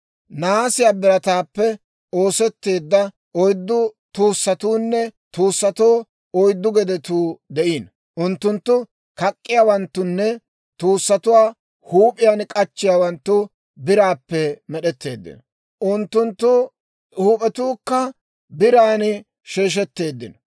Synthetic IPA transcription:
naːsɪjaːbɪɾɐt̪aːpːɛ | oːsɛt̪ːe̞ːd̪ːɐ | ɔjd̪ːʊt̪uːsːɐt̪uːnːɛt̪uːsːɐt̪oː | ɔjd̪ːʊɡɛd̪ɛt̪uːd̪ɛʔiːn | ʔʊnt̪ːʊnt̪ːʊ | kɐkʼːɪjaːwɐnt̪ːʊnːɛ | t̪uːsːɐt̪ʊwaː | huːpʼɪjankʼɐt͡ʃːɪjaːwɐnt̪ːʊ | bɪɾaːpːɛmɛɗɛt̪ːe̞ːd̪ːɪ̰nɔ | ʔʊnt̪ːʊnt̪ːʊ | huːpʼɛt̪uːkːɐ | bɪɾaːnɪ | ʃeːʃ̬ɛt̪ːe̞ːd̪ːɪnɔ̥

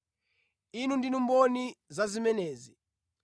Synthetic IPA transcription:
inundinumbɔnizazimɛnɛːzi

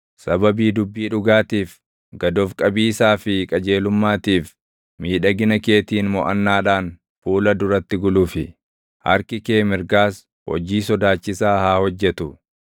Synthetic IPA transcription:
sɐbɐbiːd̪ʊbːiːᶑʊɡaːt̪iːf | ɡɐd̪ofkʼɐbiːsaːfɪkʼɐd͡ʒe̞ːlʊmːaːt̪iːf | miːᶑɐɡɪnɐke̞ːt̪iːnmɔʔɐnːaːᶑaːn | fuːlɐd̪ʊɾɐt̪ːɪɡʊluːfɪ | hɐ̰ɾkɪkeːmɪɾɡaːs | hɔ̰d͡ʒiːsɔd̪aːt͡ʃːɪsaːhaːhɔd͡ʒːɛt̪ʊ

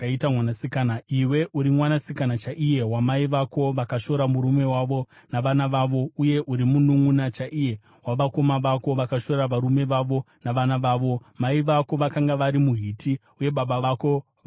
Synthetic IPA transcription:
aitamwanasikanaiwe̞ʔuɾimwanasikanat͡ʃaʔije̞ɦwamaiʋako̞ʋakaʃo̞ɾamuɾume̞waʋo̞ | naʋanaʋaʋo̞uje̞ʔuɾimunuŋunat͡ʃaʔije̞ | waʋako̞maʋako̞ʋakaʃo̞ɾaʋaɾume̞ʋaʋo | naʋanaʋaːʋo̞maiʋako̞ʋakaŋɡaʋaɾimuɦiti | uje̞ɓaɓaʋako̞ | ʋ

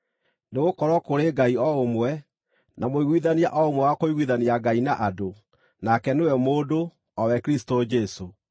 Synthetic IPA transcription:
neɣokɔɾwɔkoɾeɡaiɔomwɛ | nʔamoiɣwiðania̰ʔɔomwɛwakoiɣwiðaniaɡainaʔado | nakɛnewɛmoːdo | ɔwɛkɾistod͡ʒɛso

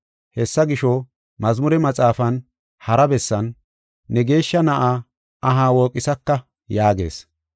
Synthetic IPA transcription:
hɛsːɐɡɪʃɔ | mɐzmʊɾɛmɐt͡sʼaːfɐn | hɐɾɐbɛsːɐnː | ɛɡe̞ːʃːɐnɐʔaː | ɐɦaːwoːkʼːɪsɐkːɐ | jaːɡe̞̰ːs

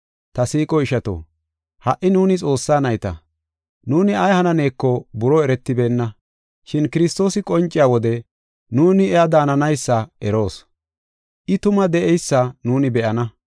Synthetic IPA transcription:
t̪ɐsiːkʼɔɪʃɐt̪o̰ː | hɐʔɪnuːnɪt͡sʼo̞ːsːaːnɐjt̪ɐ̰ | nuːnɪɐjhɐnɐne̞ːkːɔbʊɾɔɛɾɛt̪ːɪbe̞ːnːɐ | ʃɪnkɪɾɪst̪o̞ːsɪkʼɔnt͡ʃʼːɪjaːwɔd̪ɛ | nuːnɪɛad̪aːnɐnɐjsːɐɛɾo̞ːs | ʔɪt̪ʊmɐd̪ɛʔɛjsːɐnuːnɪbɛʔɐnɐ

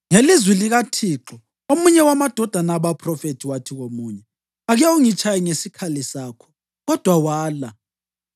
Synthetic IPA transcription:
ŋelizwiliɣatʰiːǁɔ | omuɲɛwamad̥ʱɔd̥ʱanaβapʰrɔfetʰiwatʰiɣomuːɲɛ | aɣɛuŋit͡ʃʰʼajiŋesikʰalisaːkʰɔ̥ | ɣɔd̥ʱwawaːla

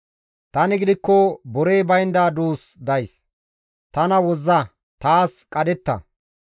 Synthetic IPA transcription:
t̪ɐnɪɡɪd̪ɪkːɔbɔɾe̞ːbɐjnd̪aːd̪uːsd̪ɐjs | t̪ɐnɐwɔzːɐ | t̪aːskʼɐd̪ɛt̪ːɐ̰

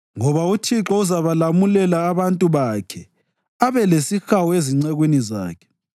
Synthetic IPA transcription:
ŋɔβautʰiǁɔuzaβalamulɛlaːβantʼuβakʰɛ | aβɛlesixawɔeziŋ͡ǀɛɣwiniza̰ːkʰɛ̥

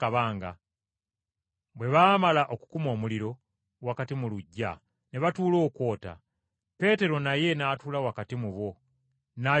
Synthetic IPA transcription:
aβaːŋɡa̰ | βwe̞βaːmalaʔo̞ku̥kumo̞ːmuliɾo̞ | wakatimuluɟːa̰ | neβatuːlo̞ːkwo̞ːta̰ | pe̞ːte̞ɾo̞naje̞naːtulawakatimuβo̞ | na

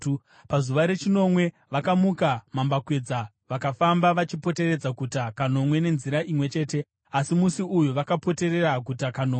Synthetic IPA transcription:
pazuʋaɾe̞t͡ʃino̞mwe̞ | ʋakamukamambakwe̞d͡za | ʋakafambaʋat͡ʃipo̞te̞ɾed͡zakutakano̞mwe̞ne̞nziɾaʔimwe̞t͡ʃe̞ːte̞ | asimusiujuʋakapo̞te̞ɾe̞rak̬utakanoːe

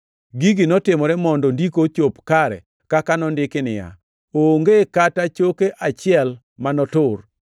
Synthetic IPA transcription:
ɡiɡinɔtɪmɔɾɛmɔndɔndikot͡ʃopkaɾɛ̰ | kakanɔndɪkɪnɪja̰ | oŋɡekatat͡ʃokeʔat͡ʃɪɛl | manɔtʊr

